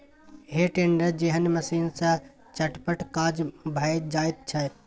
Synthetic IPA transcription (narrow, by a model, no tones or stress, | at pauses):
ɦeʈeːɳɖəɾd͡ʒiɦənmɐsiːnsã | t͡ʃɐʈpəʈkaːd͡ʒbʱaːɪd͡ʒaːɪt̪̚t͡ʃʰɐt̪